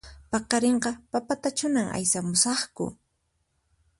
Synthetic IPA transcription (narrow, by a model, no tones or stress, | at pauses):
pɑqɑɾeɴqɑpapat̪at͡ʃʊnaŋa̰jsamʊsɑχkʊ̰